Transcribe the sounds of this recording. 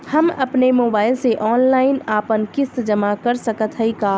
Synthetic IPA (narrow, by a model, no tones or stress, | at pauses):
hɐmɐpnemoːbaːɪlseʔɔːnlaːɪnaːpənkɪsd͡ʒɐmakɐɾsɐkət̪ɦəikaː